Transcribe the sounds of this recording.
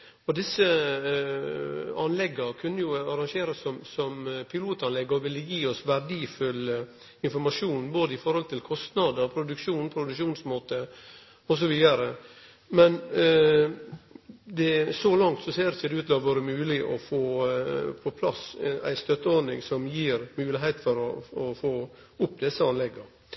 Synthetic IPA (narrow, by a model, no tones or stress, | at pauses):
ɔd̪ɪsːə | ɑnlɛɡːɑkʰʉnːəjʊɑɾɑŋʃeːɾəsːɔmsɔmpʰɪluːt̪ɑnlɛɡːəɔʋɪlːəjiːɔsʋæɾd̪iːfʉlːə | ɪnfɔɾmɑʂuːnboːd̪əɪfɔɾhɔlt̪ʰɪlkʰɔst̪nɑd̪əɾpʰɾʊd̪ʉkʂuːnpʰɾʊd̪ʉkʂuːnsmoːt̪ə | ɔsɔʋiːd̪əɾə | mɛn | d̪ɛsɔlɑŋt̪sɔseːɾɪçəd̪ɛʉːt̪lɑːʋoːɾəmʉːlɪʔɔ̰foːpʰɔpʰlɑsæ̰ɪst̪œt̪ːəɔɾnɪ̰ŋsɔmjiːɾmʉːlɪɦæɪt̪fɔɾɔ̰ɔfoː | ʊpːd̪ɛsːəɑnlɛɡːə